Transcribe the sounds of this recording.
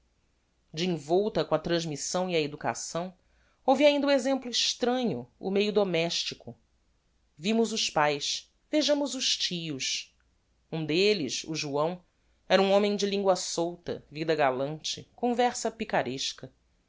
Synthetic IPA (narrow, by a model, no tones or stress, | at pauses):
d͡ʒɪĩvɔwt̪ɐkõɐt̪ɾɐ̃ʒmisɐ̃w̃iɐed̪uka̰sɐ̃w̃ | owviaĩnd̪ɐũezẽmplʊiʃt̪ɾɐ̃ɲʊʊ̰mejʊd̪omɛʃt͡ʃikʰʊ | vimʊzʊʃpajs | veʒɐ̃mʊzʊʃt͡ʃijʊʃ | ũd̪elisṵʒuɐ̃w̃ | ɛɾɐũõmẽj̃d͡ʒɪlĩŋɡwɐsowt̪ɐ̰vid̪ɐɡalɐ̃nt͡ʃɪ̰kõvɛɾsɐpikaɾeʃkɐ